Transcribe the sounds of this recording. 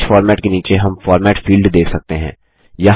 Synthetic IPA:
t͡ʃfɔːɾmɛːʈkeniːt͡ʃeɦɐmfɔːɾmɛːʈfiːlɖd̪eːkʰsɐk̚t̪eɦɛ̰̃ː | jɐɦ

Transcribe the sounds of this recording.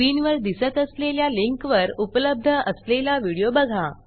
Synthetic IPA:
inʋəɾd̪isət̪əsleljaliŋkʋəɾupələb̚d̪ʱəʔəslelaʋiɽijobəɡʱa

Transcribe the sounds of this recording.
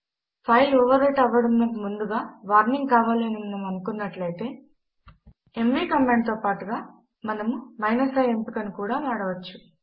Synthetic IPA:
pʰɐjɔːʋɐɾeʈɐʋːɐɽɐmnɐkumund̪uɡaːʋaːɾniŋɡkaːʋaːlenimɐnɐmɐnukunːɐʈlɐjt̪e̞ː | e̞mʋiːkɐmːeːɳɖ̚t̪oːpaːʈuɡaː | mɐnɐmumɐjnɐsɐjempikɐnikuːɽaːʋaːɽɐʋɐt͡ʃːu̥

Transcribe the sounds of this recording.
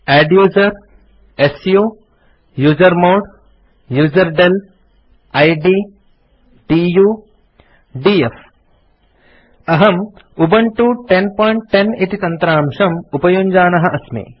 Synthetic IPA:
ɛːɖjuːzɐɾ | esjuː | juːzɐɾmoːɖ | juːzɐɾɖel | ɐjɖiː | ɖiːjuː | ɖief | ɐɦɐm | ubɐɳʈuʈenpoːjɳʈːeneʈit̪ɐnt̪ɾaːmʂɐmupɐjuɲd͡ʒaːnɐɦɐʔɐsmḛː

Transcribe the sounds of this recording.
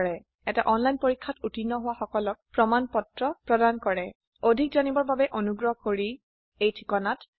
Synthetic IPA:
ɹɛ | ɛtaʔɔnlajnpoɹikʰːatutinːɔɦʊwaxɔkɔlɔk̚pɹɔmanpɔtɹɔpɹɔdankɔɹɛ | odʱik̚zanibɔɹbabɛʔonuɡɹɔɦkoɹi | ejtʰikɔnat

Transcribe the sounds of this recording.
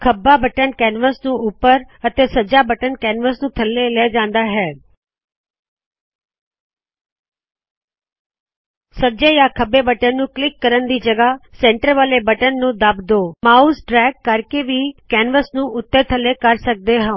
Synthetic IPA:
kʰəbːaːbəʈənkɛːnʋəsnũːʊpːəɾət̪eːsəd͡ʒaːbəʈənkɛːnʋəsnũːt̪ʰəlːeːlɛːd͡ʒãːnd̪aːɦɛː | səd͡ʒeːjaːkʰəbːeːbəʈənːũːklɪkːəɾənd̪iːd͡ʒəɡaːsɛ̃ːɳʈəɾʋaːleːbəʈənːũːd̪əbd̪oːmaːuːsɖɾɛːkːəɾkeːʋiːkɛːnʋəsnũːʊt̪ːəːt̪ʰəlːeːkəɾsək̚d̪eːɦã

